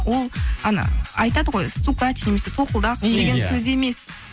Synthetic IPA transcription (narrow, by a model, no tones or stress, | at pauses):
wo̞lˠɑnɑ̰ɑjt̪ɑd̪əʁo̞jst̪ukat͡ʃne̞me̞set̪ʰo̞qəlˠd̪ɑqd̪e̞ɡʲeŋkʲʰɵze̞me̞s